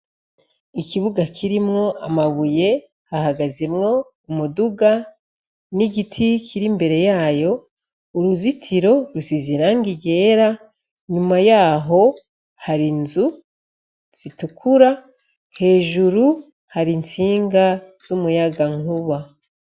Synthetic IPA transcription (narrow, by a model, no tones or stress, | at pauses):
ikiβuɡakʰiɾimŋo̞amaβuje̞ | haɦaɡazemŋo̞ | umuduɡa | niɡitʰikʰiɾimbe̞ɾe̞jaːjo̞ | uɾuzitʰiɾo̞ɾusiziɾaŋɡiɡe̞ːɾa | ɲumajaːɦo̞ | haɾinzu | z̥itukʰuɾa | he̞ːʒuɾu | haɾint͡siːŋɡaz̥umujaɡaŋ̥uβa